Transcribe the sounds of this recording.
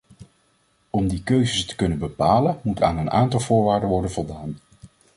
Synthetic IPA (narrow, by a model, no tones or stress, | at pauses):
ɔmdikøɥzəstə̥kɵnənbəpaːlənmuta̰ːnəna̰ːntɑlˠvʊːɹʋaːɹdənʋɔɹdənvɔlˠdaːn